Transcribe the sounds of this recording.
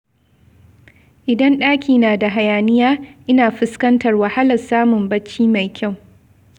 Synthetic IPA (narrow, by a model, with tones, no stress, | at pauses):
ʔɪ˨dɐ˦nɗaː˦kʲʰiː˨naː˨da˨ɦa˨jaː˨nɪ˦jaː˦ʔɪ˦naː˨ɸɪ˦skɐ˦ntɐ˨rwa˨ha˦lɐ˨saː˦mʊ˨mbɐ˦t͡ʃːiː˦ma˨jkʲʰa˦˨w